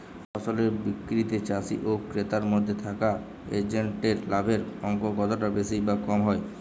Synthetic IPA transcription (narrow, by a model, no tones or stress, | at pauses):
fɔsoleɾbikːɾit̪et͡ɕasiʔokɾet̪aɾmod̪ʱːet̪ʰaka | ḛd͡ʑeɳʈeɾlabʱeɾɔŋkokɔt̪oʈabesijbakɔmɦɔe